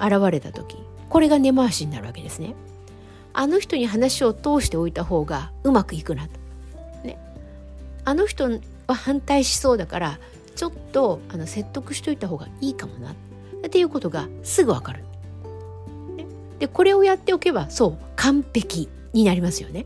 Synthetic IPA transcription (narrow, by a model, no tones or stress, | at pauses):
aɾaβ̞aɾe̞t̪at̪o̞kʲi | ko̞ɾe̞ɡane̞maːɕiɲ̟ina̰ɾɯ̟βa̰ke̞d̪e̞sɨne | a̰no̞çʲi̥t̪o̞ɲ̟iɦanaɕio̞t̪o̞ːɕi̥t̪e̞o̞it̪aho̞ːɡaɯ̟makɯ̟ikɯ̟nat̪o̥ | ne̞̰ | ano̞çi̥t̪o̞ | βahãnt̪aiɕi̥so̞ːd̪akaɾa | t͡ɕo̞t̪ːo̞ano̞se̞t̪ːo̞kɯ̟̥ɕi̥t̪o̞it̪aɦo̞ːɡa̰iːkamo̞na̰t̪ | t̪ːe̞jɯ̟ko̞t̪o̞ɡasɨɡɯ̟βa̰kaɾɯ̟ | ne | d̪̥e̞ko̞ɾe̞o̞jat̪ːe̞o̞ke̞βaso̞ː | kʰãmpe̞kʲi | ɲ̟inaɾʲimasɨjo̞̰ne̞